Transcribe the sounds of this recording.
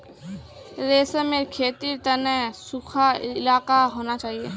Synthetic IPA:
ɾeːsəmeːɾkʰeːt̪iɾt̪ənɛsukʰaɪɪlaːkaɦoːnat͡ʃaːɦieː

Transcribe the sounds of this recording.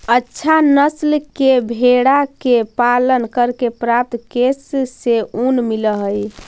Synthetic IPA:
ətːʃʰanəslkebʱeɽakepalənkəɾkepɾap̚t̪kesːeunmiləɦəj

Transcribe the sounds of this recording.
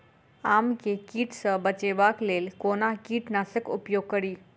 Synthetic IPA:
amkekiːʈsəbət͡ɕeʋaklelkonakiːʈnasəkṵpjoɡ̚kəɽiː

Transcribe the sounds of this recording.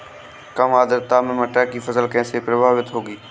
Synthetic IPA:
kəmaːd̪əɾt̪aːmẽːməʈɛːkiːfʰəzəlkɛ̃ːseːpɾəbʱaːʋɪt̪ɦoːɡiː

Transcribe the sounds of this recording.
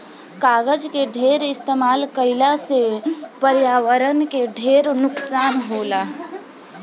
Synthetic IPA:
kaːɡəd͡ʒkeɖʱeɾɪst̪emaːlkəɪlasepəɾjaːwəɾənkeɖʱeɾnʊksaːnɦola

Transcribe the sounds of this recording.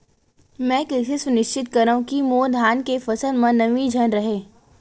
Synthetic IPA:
mɛ̃ːkɛːsesʊnɪʃt͡ʃɪt̪̚kɐɾaːũkimoːd̪ʱaːnkefɐsəlmɐ̃nɐʋid͡ʒʱɐnɾɐɦeː

